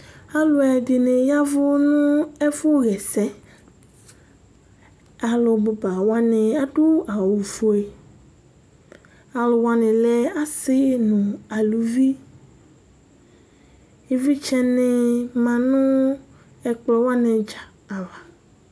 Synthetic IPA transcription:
a˦lo˦ɛ˨di˨nẽ˨ja˦vʊ˦nũ˦ɛ˦fʊ˦ɣɛ˨sɛ˦ | a˨lo˨bo˨ba˨wa˦nɪ̃˨a˦ɖu˦a˨wu˨vo˦e˨ | a˨lo˨wa˦nɪ̃˨lɛ˦a˦sɪ˦nũ˨a˨lu˨vi˦ | e˦vi˦t͡ʃɛ˦nɪ̃˨mã˨nũ˦ | ɛ˨k͡plɔ˨wa˦nẽ˨d͡ʒa˨ | a˨va˨

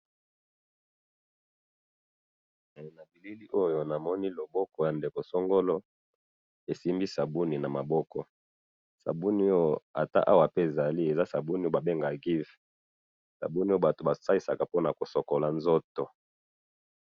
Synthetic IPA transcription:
na˨bi˨li˦li˦ʔo˦jo˦na˨mɔ˦ni˦lo˨bɔ˦kɔ˨ja˨nde˨ko˨so˦ŋɡo˦lo˦ | e˨si˦mbi˦sa˨bu˦ni˨na˨ma˨bɔ˦kɔ˨ | sa̰˨bu˦ni˦jo˦a̰˨ta̰˦ʔa˦wa˨pe˦e˨za˨li˦e˨za˦sa˨bu˦ni˦jo˦ba˨be˦ŋɡa˨ɡi˦v | sa̰˨bu˦ni˦jo˦ba˨to˨ba˨sa˦i˦sa˨ka˨po˦na˨ko˨so˨ko˨la˨nzo˦to˨

